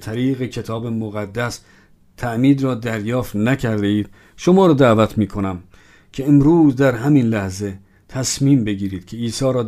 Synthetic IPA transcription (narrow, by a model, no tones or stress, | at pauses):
t̪ʰæɾiːɣekʰe̞t̪ʰɒːbemoɣæd̪ːæs | t̪ʰæʔmiːd̪ɾɒːd̪æɾjɒːft̪nækʰæɾd̪eiːd̪̥̚ | ʃo̞mɒːɾɒːd̪ævæt̪ʰmiːkʰo̞næm | kʲʰe̞emɾuːzd̪æɾɦæminlæhze̞ | t̪ʰæsmiːmbe̞ɡiːɾiːd̪̥kʰe̞iːsɒːɾɒː